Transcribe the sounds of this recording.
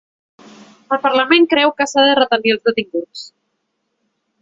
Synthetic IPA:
əlˠpəɾləmeŋkɾɛwkasaðərət̪əmiəlˠzðət̪iŋɡut͡s

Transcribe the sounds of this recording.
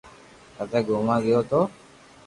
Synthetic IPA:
kət̪ɛːɡoːmãːɡɪjoːt̪oː

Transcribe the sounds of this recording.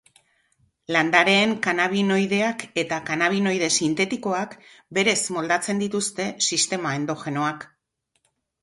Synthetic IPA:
land̪aɾe̞ːŋkanaβino̞jð̞e̞ake̞t̪akanaβ̞ino̞jðe̞sint̪e̞t̪iko̞ak | be̞ɾe̞smo̞ld̪at͡se̞nd̪it̪ust̪e̞sist̪e̞mae̞nd̪o̞xe̞no̞ak

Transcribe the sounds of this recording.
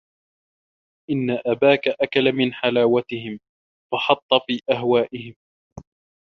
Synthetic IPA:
ʔɪnːaʔabaːkaʔakalamɪnħalaːwat̪ɪhɪm | fɑħɑt̪ˤːɑfiːʔaɦwaːʔɪɦɪm

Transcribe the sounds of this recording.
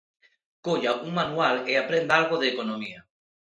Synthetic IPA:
koʎaʔuŋmanualeapɾend̪alɣ̞oðeːkonõmia

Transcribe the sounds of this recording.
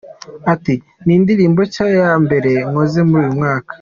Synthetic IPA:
ati | niːndiɾiːmbot͡ʃajambe̞ɾe̞ŋoze̞muɾuːjumŋaːkḁ

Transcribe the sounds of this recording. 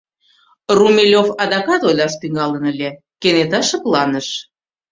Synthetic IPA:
rumʲelʲofɑd̪ɑkɑt̪olʲɑʃt̪yŋɡɑlənəlʲe | kenet̪ɑʃɤ̆plɑnəʃ

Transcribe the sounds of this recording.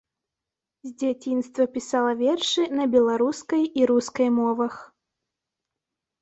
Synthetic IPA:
zʲd͡zʲat͡sʲinst̪vɐpʲisalˠɐvʲɛrʂɨnɐbʲɛlˠaɾuskɐjiɾuskɐjmɔvɐx

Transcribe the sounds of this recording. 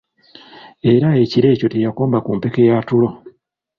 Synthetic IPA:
e̞ɾae̞ciɾe̞ːco̞tejako̞ːmbakumpe̞kejatulo̞

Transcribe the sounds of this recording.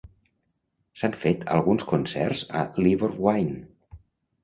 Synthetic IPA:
saɱfet̪ʰə̰lˠɣunskunsɛ̰rz̥ə̰liβəɾwajn

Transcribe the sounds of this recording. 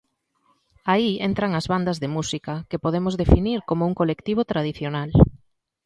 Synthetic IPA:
aient̪ɾɐŋɐzβand̪ɐzðemusikɐkepoð̞emʊzðefiniɾkomouŋkolekt̪iβ̞ot̪ɾað̞iθjonal

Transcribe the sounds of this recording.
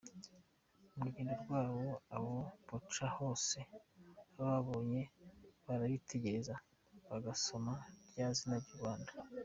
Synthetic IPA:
umuɡiːndoɾɡwaːβoaβopot͡ʃaho̞ːse̞βaβaβo̞ːɲe̞βaɾaβitʰe̞ɟe̞ɾeza | βaɡaso̞maɾjaːzinabɟuβaːnda

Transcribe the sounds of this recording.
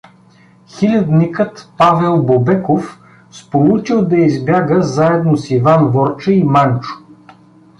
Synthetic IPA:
xilʲɐd̪nikət̪pavɛlˠbobɛkof | spolˠut͡ʃilˠd̪ɐizbʲjaɡəzaɛd̪nosivanvɔɾt͡ʃəimant͡ʃʊ̥

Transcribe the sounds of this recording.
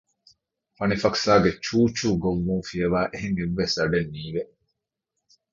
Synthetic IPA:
fɐnifɐksaːɡet͡ʃuːt͡ʃuːɡoʋːũːfiɐʋaːʔeɦeŋeʋːesɐɖenːiːʋe

